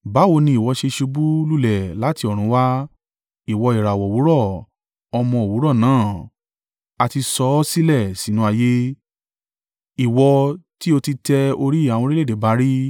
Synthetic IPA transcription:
ba˨˦wo˧nĩ˧i˨wɔ˧ʃe˧ʃu˧bu˦lu˦˨lɛ˨la˨˦ti˧ɔ˨ɾ̃ũ˨˦wa˦ | i˨wɔ˧i˨ɾa˨wɔ˨wu˨˦ɾɔ˦˨ | ɔ˧mɔ̃˧o˨wu˨˦ɾɔ˦˨nãː˨˦˨ | a˧ti˧sɔ˦si˦lɛ˦˨si˨˦nũ˦a˧je˦ | i˨wɔ˧ti˦o˧ti˧tɛ˧o˧ɾi˦˨a˨w̃ɔ̃˧ɾi˦le˦˨de˨˦ba˨˦ɾi˦

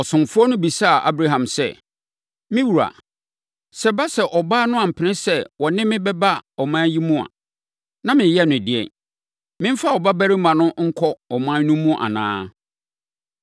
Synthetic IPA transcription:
ɔ˨sʊ̃˨m˨fʊ˦ɔ˦nʊ̃˦bi˨sa˦˨ʔa̰˦bɾa˦ɦã˨msɛ̰˦˨ | mɪ̃˦wu˨ɾa̰˨ | sɛ˦ba˦sɛ˨ʔɔ˨baː˦nʊ̃˦a˨m̩˨pʰɪ˨nɪ̃˦sɛ˦wɔ˨nɪ̃˦mɪ̃˦bɛ˦ba˦ɔ˨mã˦ji˦mũ˦a̰˨ | nã˦mɪ̃˨jɛ˦˨nʊ̃˨dɪ˨ɛ̰˨ | mɪ̃˦m̩˦fa˦˨ɔ˨ba˦bæ˦ɾɪ˦mã˨nʊ̃˦ŋ̩˦kʰɔ˦ɔ˨mãː˦nũ˦mːũ˦ʔa̰˨nã̰ː˦

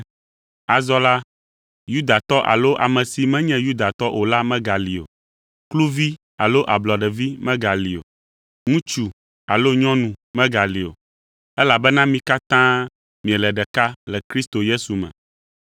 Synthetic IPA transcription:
a˨zɔ˦la˦ | ju˦d̪a˨t̪ɔ˦ʔa̰˨lo˦ʔa̰˨mɛ̃˨si˨mɛ̃˦ɲɛ̃˦ju˦d̪a˨t̪ɔ˦ʔo˨la˦mɛ̃˦ɡa˨li˨o̰˨ | klu˦vi˦ | a˨lo˦ʔa˨blɔ˨ɖɛ˨vi˦mɛ̃˦ɡa˨li˨o̰˨ | ŋũ˦t͡ʃu˨ | a˨lo˦ɲɔ̃˦nũ˨mɛ̃˦ɡa˨li˨o̰˨ | ɛ˦la˨bɛ˦nã˦mĩ˦ka˦t̪ã˦ | mĩ˨ɛ˨lɛ˨ɖɛ˨ka˦lɛ˨kɾi˦st̪o˨je˦su˨mɛ̰̃˨

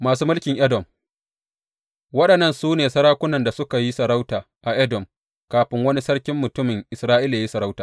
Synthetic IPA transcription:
maː˨suː˦mʊ˦lkʲɪ˨ŋʔɛ˦dɔ˨m | wɐ˦ɗɐ˨nːɐ˦˨nsuː˦neː˨sɐ˦ɽaː˦kʷʊ˦nɐ˨nda˨sʊ˦ka˨ji˦sɐ˨ɾa˦wtaː˨ | ʔa˨ʔɛ˦dɔ˨m | kaː˨ɸɪ˦ŋwɐ˦ni˦sɐ˦ɽkʲɪ˦mːʊ˨tʊ˦mɪ˨ŋʔɪ˨sɾaː˦ʔi˦la˨a˨˦i˦sɐ˨ɾa˦wtaː˨

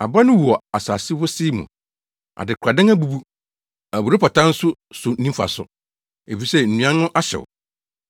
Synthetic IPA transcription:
a̰˨ba˦nʊ̃˦wu˨ɔ˨a˨saː˨sɪ˦fʊ˦sɪ˦mṵ̃˨ | ʔa̰˨dɪ˨kʰɾa˨dɪ̃˦ŋæ˦bu˦bu˦ | æ˨bu˨ɾɪ˦pɔ˨tʰã˦n̩˦sʊ˦ | sʊ˨nĩ˦fa̰˨sʊ̰˨ | e˨fi˨sɛ˦n̩˨nũ˨˦ã˦nʊ̃˦ʔa˦ɕɛ̰˨ʊ̰˨

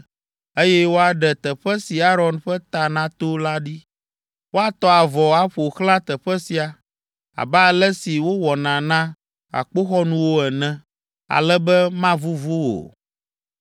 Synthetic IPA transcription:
e˦jɛ˦wo˦a˨ɖɛ˨t̪ɛ˨ɸɛ˦si˨a˦ɾɔ˦nɸɛ˦t̪a˨nã˦t̪o˦la˦ɖi˦ | wo˦a˨t̪ɔ˦a˨vɔ˨a˦ɸo˨xlã˦t̪ɛ˨ɸɛ˦si˨a˨ | a̰˨bɛ˦a˨lɛ˦si˨wo˦wɔ˨nã˨nã˦ | a̰˨k͡po˦xɔ˦nũ˦wo˦ɛ˨nɛ̃˦˨ | a̰˨lɛ˦bɛ˦mã˦vu˦vu˦wo̰˨

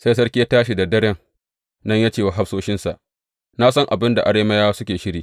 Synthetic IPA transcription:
sa˦js̬ɐ˦ɽkʲi˦a˦taː˦ʃi˨da˨dɐ˦ɽɛ˦ŋ | nɐ˦ɲjaː˦t͡ʃeː˦˨wa˨ɦa˦ɸsoː˦ʃɪ˦nsa˨ʔ | na˦sɐ˦ŋʔa˨bɪ˦nda˨ʔa˨ɽeː˦mɐ˦jaː˦sʊ˦kʲeː˨ʃɪ˦ɽiː˦

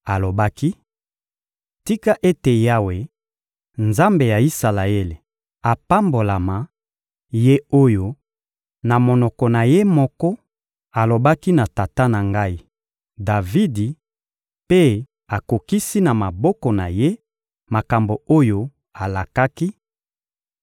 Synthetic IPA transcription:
a˨lo˨ba˦ki˦ | ti˦ka˦ʔe˦te˨ja˦we˨ | nza˦mbe˨ja˨i˦sa˨la˨e˦le˨ | a˨pa˦mbo˨la˨ma˨ | je˦o˦jo˦ | na˨mo˨nɔ˨kɔ˨na˨je˦mɔ˦kɔ˦ | a˨lo˨ba˦ki˦na˨ta˨ta˦na˨ŋɡa˦i˦ | da˨vi˦di˨ | pe˦ | a˨ko˨ki˦si˦na˨ma˨bɔ˦kɔ˨na˨je˦ | ma˨ka˨mbo˨o˦jo˦ | a˨la˨ka˦ki˦

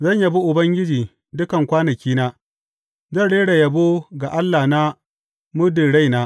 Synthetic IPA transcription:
zɐ˦˨ɲja˨bu˦ʔʊ˨bɐ˦ŋɡʲɪ˦d͡ʒiː˨ | dʊ˦kɐ˨ŋkʷaː˦nɐ˨kʲiː˦naː˦ | zɐ˦˨ɽeː˦ɽa˨jɐ˨bo˦ɡa˨ʔa˦lːa˨na˦ | mʊ˦dɪ˨ɽa˦˨jnaː˦

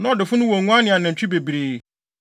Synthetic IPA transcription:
nã˦ɔ˨dɪ˨fʊ˦nʊ̃˦wɔ˨ŋũ˦a˦nɪ̃˨a˨nɪ̃˨ɲ̩˨t͡ɕᶣi˦be˨bi˨ɾeː˨˦

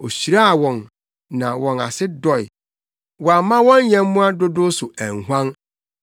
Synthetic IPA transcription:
o˨ɕi˨ɾa˦a˨wɔ̃˨n | nã˨wɔ̃˨na̰˨sɪ˦dɔ˨ɪ̰˨ | wɔ˨a˨mã˦wɔ̃˦njɛ̃˦m˦mʊ̃˦a˦dʊ˦dʊ˦sʊ˨æ̃˨ŋɦʷã˦n

